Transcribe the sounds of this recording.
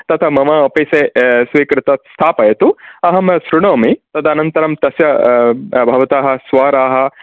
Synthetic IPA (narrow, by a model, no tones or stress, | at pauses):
t̪ɐt̪ʰɐmɐmɐɐpɐjseːsʋiːkɾɪt̪ɐst̪ʰaːpɐjɐt̪uɐɦɐmsɾuɳoːmit̪ɐd̪ɐːnɐnt̪ɐɾɐmt̪ɐsjɐ | bʱɐʋɐt̪aːɦɐ̆sʋaːɾaːɦɐ̆